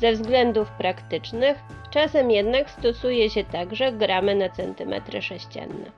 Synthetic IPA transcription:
zɛvzɡlɛnd̪ufpɾakt̪ɘt͡ʂnɘx | t͡ʂasɛmjɛd̪nakst̪ɔsujɛɕɛt̪aɡʐɛɡɾamɘnat̪sɛnt̪ɘmɛ̰t̪ɾɘ̰ʂɛɕt͡ɕa̰nːɛ̰

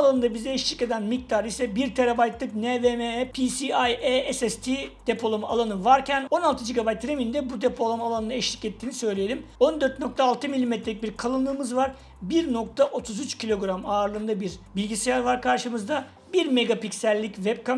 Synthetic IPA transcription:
lˠanɯnd̪abizɛɛʃlʲice̞d̪ænmic̚t̪ʰaɾisɛbiɾt̪ʰeɾabajt̪lˠɯknevemepʰisiajeɛsɛst̪ʰid̪̥epʰo̞lˠomalˠanɯvaɾcʰæno̞nalˠt̪ʰɯd͡ʒiɡabajt̪ɾemind̪ɛbud̪epʰo̞lˠamalˠanɯnɛʃlʲi̥cɛt̪ʰːiːnisø̞jlʲejelʲimo̞nd̪øɾt̪̚no̞k̚t̪ʰaːlˠt̪ʰɯmilʲːimet̪ʰɾeic̚biɾkʰalˠɯnˠɯːmɯzvaɾ | biɾno̞k̚t̪ʰaʔo̞t̪ʰuzyt͡ʃcʰilʲo̞ɡɾamaːɾlˠɯnd̪abiɾbilʲɟisijaɾvaɾkʰaɾʃɯmɯzd̪a | biɾme̞ɡapicsælʲːicvɛb̚ka

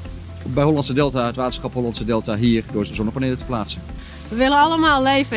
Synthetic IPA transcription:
bɛjɦɔlɑntsədɛlˠtaətʋaːtənsχɑpɦɔlɑntsədɛlˠtaɦiːrdʊːsdəzɔnəpaneːlətə̥plaːtsən | ʋəʋɪlənɑləmaːlˠlejvə

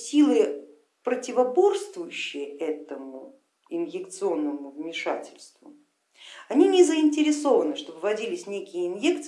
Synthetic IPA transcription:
sʲilˠɨ | pɾətʲɪvɐbo̞rst̪vʊjʉɕːɪjəɛt̪əmʊ | ɪnjɪkt̪sɨo̞nːəmʊvmʲɪʂa̰tʲɪlʲst̪vʊ | ɐnʲinʲɪzəɪnʲtʲɪɾʲɪso̞vənɨʂt̪o̞bɨvɐdʲilʲɪsʲnʲekʲɪjəɪnjek̚t̪s

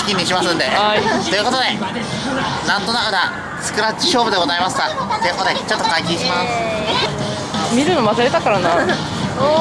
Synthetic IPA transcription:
kʲimʲiɕimasɨ̃nd̪e̞ait̪o̞jɯ̟kot̪o̞d̪e̞ | nãnt̪o̞nakad̪a | sɨ̥kɯ̟ɾat͡ɕːi̥ɕo̞ːbɯd̪e̞ɡo̞zaimasɨ̥kat̪ojɯ̟ko̞t̪od̪et͡ɕo̞t̪ːokaikʲĩɕimasɨ̥ | mʲiɾɯ̟no̞masɨɾe̞t̪akaɾana

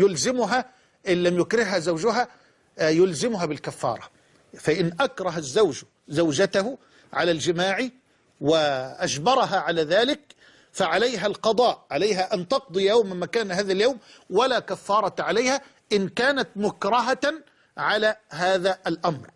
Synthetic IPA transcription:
jʊlzɪmʊɦa | ʔɪnlamjʊkɾɪhɦæzawd͡ʒʊɦæ | jʊlzɪmʊɦaːbɪlkafːɑ̰ːɾˤɑ | faʔɪnʔakɾˤɑɦazːawʒ | zawd͡ʒat̪ahʊ | ʕalæld͡ʒɪmaːʕi | wɪʔaʃbɑɾˤɑɦaʕalaːðaːlɪk̚ | faʕalajɦælqɑd̪ˤɑːʔʕalajɦæʔant̪ɑq̚d̪ˤɨjjawmmːækaːnhaːðæljawmwalaːkafːɑːɾˤɑʕalajhæ | ʔɪnkaːnat̪mʊkɾɑɦa | ʕalæːɦaːðæʔalʔamɾ

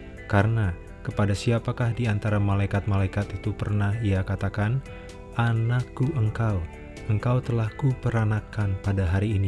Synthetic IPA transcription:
kaɾəna | kəpadasiapakahdiant̪aɾamalajkat̪̚malaikat̪it̪upərnahiakat̪akan | ʔanakːuʔəŋkaw | əŋkawt̪əlahkupəɾanakanpadaɦaɾiːni

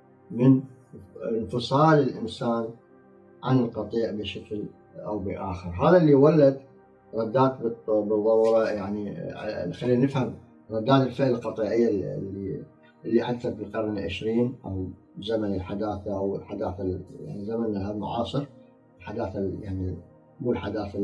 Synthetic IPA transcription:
mɪn | nfɨsˤɑːlɪlʔɪnsaːn | ʕa̰nɪlqɑt̪ˤiːʕbɪʃakl | ʔa̰wbəʔaːxəɾɦaːðalːiwalːad̪ | ɾˤɑd̪ːaːt̪̚b̪bɨðˤːɑwɾˤɑjaʕnixalːiːnanɪfham | ɾˤɑd̪ːaːniɪlfɪʕɪlqɑt̪ˤiːʕɪjːalːi | ʔɪlːiħad̪aθabəqɑɾˤnʕɪ̰ʃɾiːnʔaw | zamanɪlħad̪aːθaʔawlħad̪aːθaja̰ʕnizamanlhamʊ̰ʕɑ̰ːsˤɨɾ | lħad̪aːθajaʕni | muːlħad̪aːθa

